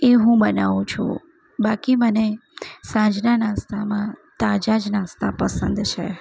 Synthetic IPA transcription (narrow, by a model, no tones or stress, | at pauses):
eɦũbənaʋũt͡ʃʰṵ̃ | bakimənesãd͡ʒnanãst̪ʰamãt̪ad͡ʒad͡ʒnãst̪ʰapəsə̃nd̪t͡ʃʰe